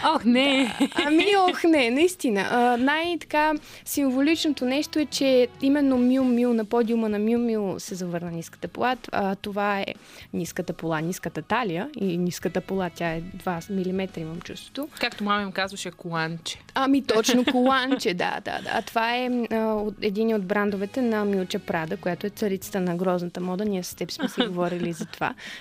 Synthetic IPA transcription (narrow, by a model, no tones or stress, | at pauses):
oxnɛmiɔxnɛnɐist̪inə̰ʔnajt̪ɐ̥ka | siɱvolit͡ʃnot̪onɛʃt̪oɛt͡ʃɛimɛnːomilˠmilˠnɐpɔd̪ʲiumənɐmumilˠsɛzɐvɤɾnənʲiskə̥t̪əpo̰lˠat̪ːt̪ovaɛ̰nʲiskət̪əpolˠaniskət̪ət̪alijəinʲiskət̪əpolˠat̪ʲjaɛd̪vamilimɛt̪ɾiimɐmt͡ʃust̪vo̥t̪okakt̪omamɐimkazvəʃɛkolˠant͡ʃɛ̥amit̪ɔt͡ʃnokolˠant͡ʃɛd̪a̰d̪a̰d̪a̰t̪ovaɛoɛd̪iniod̪bɾand̪ovɛt̪ɛnɐmilˠt͡ʃɛpɾad̪əkojat̪oɛt̪səɾit̪sə̥t̪ənɐɡɾɔznət̪əmɔd̪əniɛsst̪ɛpi̥smɛsɛɡovɔɾilizɐt̪ova̰